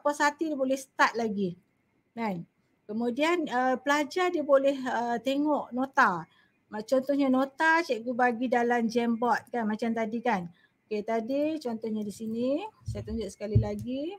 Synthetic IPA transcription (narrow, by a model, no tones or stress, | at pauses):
apasat̪idiabolɛhsə̥t̪at̪̚laɡi | mɛn | kəmudianəpəlad͡ʒardiabolɛhət̪eŋɔʔnot̪a | mat͡ʃɔnt̪ɔhɲanot̪at͡ʃɛʔɡubaɡidalamd͡ʒɛmbɔt̪̚kanmat͡ʃamt̪adikan | ket̪adit͡ʃɔnt̪ɔhɲadisinisajat̪uɲd͡ʒʊʔsə̥kalilaɡi